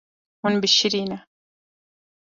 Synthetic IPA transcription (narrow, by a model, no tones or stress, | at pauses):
hʊnbɪʃːɪɾiːna